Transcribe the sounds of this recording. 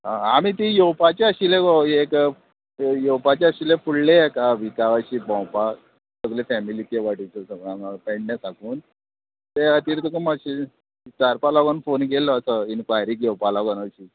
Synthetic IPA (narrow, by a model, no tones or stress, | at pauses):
ɦãamit̪ijowpat͡ɕeəɕilekɔek | jowpat͡ɕeəɕilefuɭlejɛkaʋikaʋaɕiːbɔ̃wpa | t̪əklefɛmilit̪jeʋaʈit͡sɔsəɡapɛɳɖnesakuːn | t̪eət̪iːɾt̪əkumaɕi | t͡saɾpalɔɡɔnfonkelːɔːsɔinkʋajɾiːkjewpalɔɡɔnəɕiː